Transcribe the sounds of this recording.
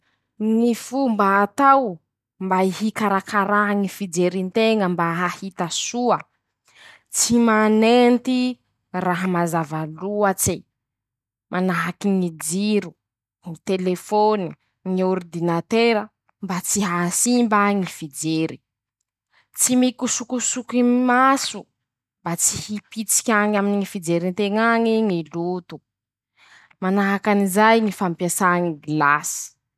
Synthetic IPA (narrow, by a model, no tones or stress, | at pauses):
nifumbaːt̪aw | mbaihikaɾakaɾaŋifid͡zeɾint̪eŋəmbaɦahit̪asuə | t͡simanent̪i | raɦəmazavaluat͡si | mʔanaɦakiŋid͡ziɾu | ŋit̪elefoni | ŋioɾd̪inat̪eɾə | mbat͡siɦasimbaŋifid͡zeɾi | t͡simikusukusukimasu | mbat͡si̥hipit͡si̥kʲaŋaminiŋifid͡zeɾint̪eŋaŋiŋilut̪u̥ | manaɦakanizajŋifampjasaŋiɡlasi̥